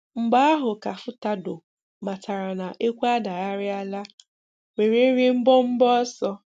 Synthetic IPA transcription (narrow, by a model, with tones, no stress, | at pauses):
ŋ͡m̩˨ɡ͡ba˦a˦ɦʊ˨ka˨fʊ˦ta˦do˨ | ma˨ta˨ɾa˨na˨ʔe˦kʷa˦da˨a˦ɾɪ˦a˦la˦ | we˨ɾi˦ɾɪ˦m̩˦bɔ˦m̩˦bɔ˦sɔ˦